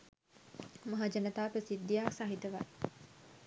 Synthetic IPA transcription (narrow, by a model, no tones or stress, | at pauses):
mɐɦad͡ʒɐnət̪aːpəsid̪ːijaːsaɦit̪əʋa